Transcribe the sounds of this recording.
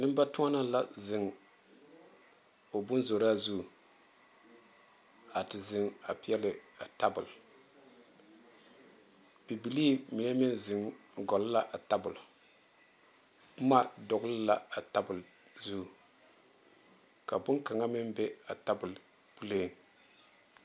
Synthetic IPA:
nɨ˦m˦ba˦tʊ˦a˦na˦la˦zɪ˨ŋ | o˨bʊ˦n˦zo˨ɾa˦zu˦˨ | a˨tɪ˨zɪ˨ŋa˨pi˦ɛ˦lɨ˨a˨ta˦bʊ˨l | b̥i˨bi˨li˦mi˨na˦mɪ˦nzɪ˨ŋ | ɡɔ˨lla˦ʔa˨ta˦bʊ˨l | pʊ˦ma˦dɔ˨ɡlla˦a˨ta˦bʊ˨l | zu˦˨ | ka˨bʊ˦ŋka˨ŋa˦mɪ˦mbɛ˦a˨ta˦bʊ˨l | pu˦le˦˨n

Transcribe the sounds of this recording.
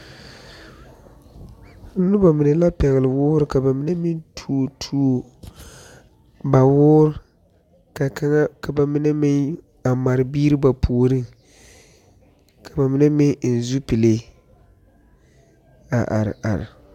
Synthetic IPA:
nʊ˦ba˨mɪ˨nɛ˨la˦pɛ˨ɣɪ˨lɨ˨wʊː˦ɾɨ˦ka˨ba˨mɪ˦ne˦mɪ˦ntʰu˦˨tʰu˦˨ | ba˨wʊː˦ɾ | ka˨ka˦ŋa˦ka˨ba˨mɪ˦ne˦mɪ˦ŋ | a˨ma˨ɾɨ˨biː˦ɾɨ˦ba˨pʰu˨o˨ɾɨ˦ | ka˨ba˨mɪ˦nɛ˦mɪ˦ŋn̩˨zu˦pi˨le˦ | a˨ʔa̰˨ɾ̰ʔa̰˨ɾɪ̰˨

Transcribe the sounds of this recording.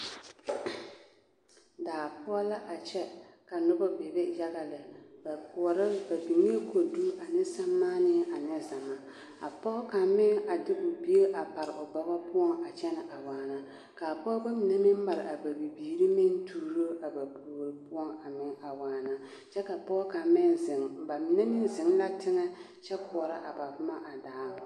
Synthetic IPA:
daː˨pʊ˦ɔ˦la˦ʔa˨t͡ʃɛ˦ka˨nʊ˦bɔ˦be˨be˦ja˦ɣa˨lɪ˨ba˨pɾba˨bi˨ŋe˦kʰo˨du˦a˨nɪ˦sa˦mːaː˦nɪ˦ɛ˦ʔa˨nɪ˦za˨ma˦ | a̰˨pɔ˦ka˨mɪ˦ŋa˨dɪ˦ʔʊ˨bi˦e˦ʔa˨pa˨ɾɪ˨ʔʊ˨ba˨ba˦pʊ˦ɔ˦ŋa˨t͡ʃɛ˦nɪ˨ʔa˨waː˨na˦ | ka˨pɔ˦ba˦mɪ˨na˦mɪ˦mma˨ɾɪ˨ʔa˨ba˨bi˨biː˨ɾi˦mɪ˦n˦tʰuː˦˨ɾo˦ʔa˨ba˨pu˨o˨ɾɨ˨pʊ˦ɔ˦ŋa˨mɪ˦ŋa˨waː˨na˦ | t͡ʃɛ˦ka˨pɔ˦ka˨mɪ˦nzɪ˨ŋba˨mɪ˨˦na˦mɪ˦n˦zɪ˨˦ŋ˦la˦tɪ˦ŋɛ˦ | t͡ʃɛ˦pʊ˨ɔ˨ɾa˦ʔa˨ba˨vʊ˦ma˦ʔa˨daː˨˦˨

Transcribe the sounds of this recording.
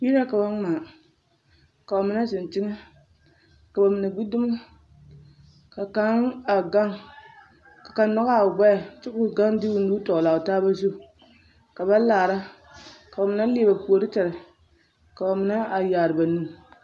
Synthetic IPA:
ji˦ɾa˦ka˨ba˦ŋ˦maː˨ | ka˨ba˨mɪ˦na˦sɪ˨n˨t͡ʃɪ˦ŋa˦ | ka˨ba˨mɪ˨na˨ɡ͡bi˦dʊ˦ma˦ | ka˨ka˦na˨ɡa˦ŋ | ka˨ka˨nnɔ˦ɣa˨ɡ͡ba˦a˨t͡ʃɪ˦kʊ˦ɡa˦ŋdi˦u˦n˦duː˦tɔ˨ʔla˨taː˦ba˦zu˦˨ | ka˨ba˦laː˨ɾa˦ | ka˨ba˨mɪ˨˦na˦leː˦ba˨pu˨o˨ɾɨ˦ta˨ɾa˨ | ka˨ba˨mɨ˨˦na˦a˨jaː˨ɾɨ˨ba˨nu˦

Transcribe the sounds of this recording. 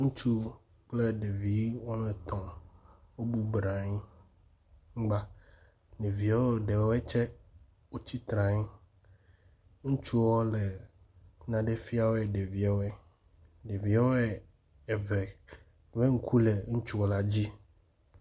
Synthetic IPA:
ŋũ˦t͡ʃu˦ | k͡ple˦˨ɖe˨vi˨˦wɔ˦me˨t̪ɔ̃˨ | wo˦bu˦bɾa˨ɲi˦ | ŋ̩˦ɡ͡ba˦ | ɖe˨vi˨a˦o˦ɖe˨wɔ˦e˦t͡ʃɛ˦ | wo˦t͡ɕi˦t̪ɾã˨ɲi˦ | ŋũ˦t͡ʃu˦wɔ˦le˨ | nã˨ɖe˦fi˦a˦˨wo˦e˨ɖe˨vi˨˦a˦we˦ | ɖe˨vi˨˦a˦we˦ | e˨ve˨ | ve˦ŋ̩˦kʰu˦le˨ŋũ˦t͡ʃu˦wo˦la˦d͡ʑi˦

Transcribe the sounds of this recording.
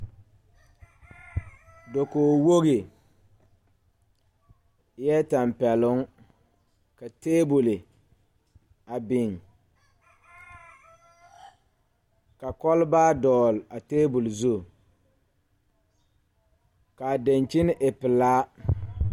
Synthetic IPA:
do˨koː˨wo˦ɣi˨ | jɛ˦ta˨mpɛ˨lʊ˦ŋ | ka˨teː˦bʊ˨lɪ˨ | a˨bɪ˨ŋ | ka˨kɔ˦lbaː˦dɔː˨la˨teː˦bʊ˨lzu˦˨ | ka˨de˨nt͡ʃi˦n˦ʔɪ˨pɪ˨laː˦

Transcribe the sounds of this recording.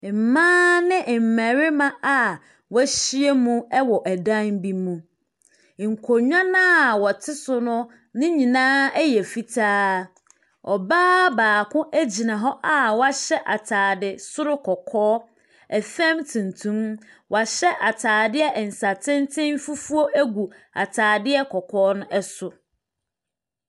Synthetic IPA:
m̩˨mãː˦nɪ̃˦ʔm̩˨mæ̃˨ɾɪ˦mã˦a˨ | wæ˦ɕi˦e˦mũ˦ɛ˦wɔ˨ʔæ˨dã˦n˦bi˦mũ˨ | ŋ̩˨kʰo˨ɲᶣã˦nã˦˨wɔ˨tʰɪ˦sʊ˨nʊ̃˦ | nɪ̃˦ɲĩ˨nãː˦æ˦jɛ˨fi˦tʰaː˦ | ɔ̰˨baː˦baː˨kʰʊ̃˦ʔæ˦d͡ʑi˨nã˨ɦɔ˦ʔa˨wɔ˦a˦ɕɛ˦ʔa˨tʰaː˨dɪ˨sʊ˦ɾʊ˦kʰɔ˨kʰɔː˦ | ɛ˨fɛ̃˦mtʰũ˨n˨tʰũ˦m | wa˨ɕɛ˦ʔa˨tʰaː˨dɪ˦ɛ˦ʔɛ˨n̩˨sa˨tʰɪ̃˦n˦tʰɪ̃˦n˦fu˦fu˦o˦ʔæ˦ɡu˨a̰˨tʰaː˨dɪ˦ɛ˦kʰɔ˨kʰɔː˦nʊ̃˦ʔɛ˦sʊ˨

